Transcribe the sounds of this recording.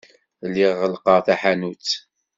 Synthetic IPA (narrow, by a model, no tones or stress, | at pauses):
lːiʁːəlqɑʁθæħanut͡sː